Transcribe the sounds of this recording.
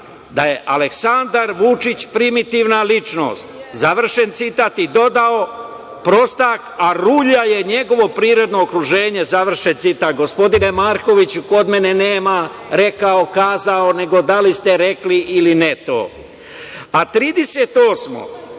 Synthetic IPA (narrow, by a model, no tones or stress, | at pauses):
d̪aje̞ʔaleksand̪aɾʋut͡ʂit͡ɕpɾimit̪iʋnalit͡ʂno̰st̪zaʋr̩ʃe̞nt̪sit̪aːt̪id̪o̞d̪ao | pɾo̞st̪akaɾuːʎaje̞ɲe̞ɡo̞ʋo̞pɾiːɾo̞d̪no̞ːkɾuʒe̞ːɲe̞zaʋr̩ʃent̪sit̪aːt̪̚ɡo̞spo̞d̪inemaːɾko̞ʋit͡ɕuko̞d̪me̞neneːmaɾe̞kao̞kaːzaone̞ɡo̞d̪alist̪eɾekliʔːlinet̪o̞̰ː | at̪ɾiːd̪eset̪o̞ːsmo̰